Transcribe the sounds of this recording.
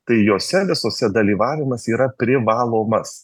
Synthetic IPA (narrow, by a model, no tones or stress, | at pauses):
t̪ɐɪjoːsʲɛʋʲɪsoːsʲɛd̪ɐlʲiːʋɑːʋʲɪmɐsiːɾɐpʲɾʲɪʋɑːlˠoːmɐs